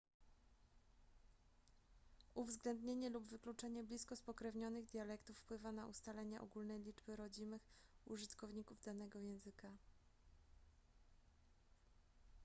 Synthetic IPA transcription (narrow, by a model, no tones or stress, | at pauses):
uvzɡlɛnd̪ɲeɲɛlubvɘklut͡ʂɛɲɛblʲiskɔspɔkɾɛvɲɔnɘɣd̪ʲjalɛkt̪ufːpwɘvanaʔust̪alɛɲɛʔɔ̰ɡulnɛjlʲid͡ʐbɘɾɔd͡ʑimɘxuʐɘt̪kɔvɲikuvd̪anɛɡɔjɛ̃w̃zɘka